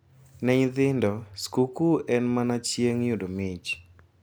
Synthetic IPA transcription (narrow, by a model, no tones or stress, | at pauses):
nɛɲd̪ɪndɔskukuɛnmanat͡ʃjeŋjʊdomɪt͡ʃ